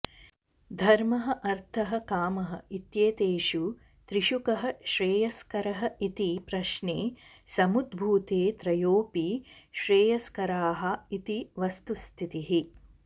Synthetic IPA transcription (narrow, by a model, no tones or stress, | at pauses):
d̪ʱɐɾmɐɦɐ̆ʔɐɾt̪ʰɐɦɐ̆kaːmɐɦɐ̆it̪jeːt̪eːʃu | t̪ɾiʃukɐɦɐ̆ʃɾeːjɐskɐɾɐɦɐ̆it̪ipɾɐʃneː | sɐmud̪bʱuːt̪eːt̪ɾɐjoːpiʃɾeːjɐskɐɾaːɦɐ̆it̪iʋɐst̪ust̪ʰit̪iɦi